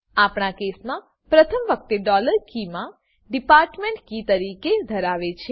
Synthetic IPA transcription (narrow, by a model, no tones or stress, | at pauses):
apɳakesmã | pɾət̪ʰəmʋək̚t̪eɖɔləɾkimã | ɖipaːɾʈmẽɳʈkit̪əɾiked̪ʱəɾaʋet͡ʃʰe